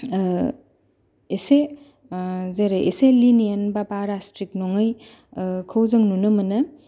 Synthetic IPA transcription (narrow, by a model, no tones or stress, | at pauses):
ese | zeɾeʔeselinijanbabaɾastɾik̚noŋɯj | kʰɐwzɐŋnunɯmɐnɯ